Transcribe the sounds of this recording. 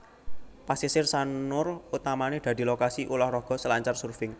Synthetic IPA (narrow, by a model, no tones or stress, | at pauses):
pasisɪrsannʊrut̪amaned̪̥a̤d̪̥i̤lokasiʔulɔhrɔɡ̥ɔ̤səlaɲt͡ʃarsurfɪŋ